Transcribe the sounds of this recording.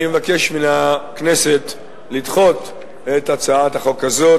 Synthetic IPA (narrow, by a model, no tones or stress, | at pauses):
mevake̞ʃminakne̞se̞t̪ | lid̪χo̞t̪ | et̪at͡saat̪aχo̞kazo̞